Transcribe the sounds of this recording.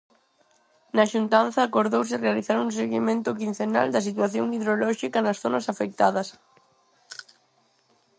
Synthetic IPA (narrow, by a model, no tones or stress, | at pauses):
naʃunt̪anθaːkoɾðowsɪrealiθaɾŋũseɣimẽnt̪ʊkin̟θena̰ld̪ɐsit̪waθjoŋiðɾolɔʃikɐnɐsθonɐsafek̚t̪aðɐs